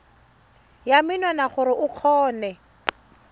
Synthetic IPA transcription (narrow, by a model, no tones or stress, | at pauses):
jamɪnɔnaχʊɾɪʔʊq͡χʰɔːnɛ